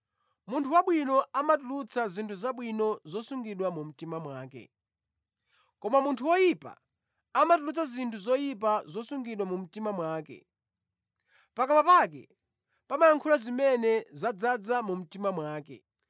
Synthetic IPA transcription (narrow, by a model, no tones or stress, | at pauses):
muntʰuwaɓwinɔamat̬ulut͡sʰazintʰuzaɓwinɔzɔsuŋɡiɗwamum̩timamwaːkɛ̰ | kɔmamuntʰuwɔjipa̰ | amatulut͡sazintʰuzɔjip̬azɔsuŋɡiɗwamum̩timamwaːkɛ̰ | pakamapak̬ɛ̰ | pamajaŋkʰulazimɛnɛzad͡zad͡zamum̩timamwaːkɛ̰